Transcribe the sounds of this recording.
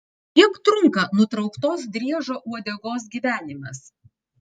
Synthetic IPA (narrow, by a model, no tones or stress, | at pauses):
t̪ʲiɛkt̪ɾʊŋkɐnʊt̪ɾɐʊkt̪oːsd̪ʲɾʲiɛʒoːʔuɔd̪ʲɛɡoːs̬ɡʲiːʋʲæːnʲɪmʲɛs